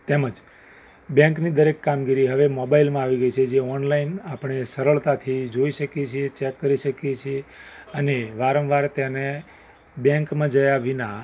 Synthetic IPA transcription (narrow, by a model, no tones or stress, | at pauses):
t̪eməd͡ʒ | bjə̃ŋknid̪əɾekːamɡiɾiɦəʋemɔbailmãaʋiɡəit͡ʃʰed͡ʒeɔnlainapɳ̃esəɾəɭt̪at̪ʰid͡ʒoiʃəkjet͡ʃʰiet͡ʃɛkːəɾiʃəkjet͡ʃʰieəneʋaɾə̃mʋaɾt̪jane | bjə̃ŋkmãd͡ʒəjaʋinã